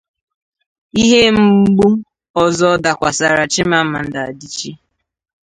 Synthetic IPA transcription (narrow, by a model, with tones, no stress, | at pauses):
i˦ɦe˦m̩˦ɡ͡bu˦ | ɔ˨zɔ˦da˨kʷa˨sa˨ɾa˨t͡ʃi˦ma˦ma˨n̩˦da˨a˨di˦t͡ʃi˦